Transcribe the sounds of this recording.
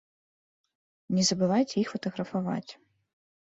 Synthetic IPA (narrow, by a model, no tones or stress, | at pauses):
nʲɛzɐbɨvajt͡sʲɛixfɐt̪ɐɣɾɐfava̰t͡sʲ